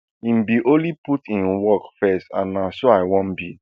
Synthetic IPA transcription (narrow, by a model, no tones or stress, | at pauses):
ĩmbiʔoliputĩnwɔkfɛstã̰nãsoaɪwɔ̃nbi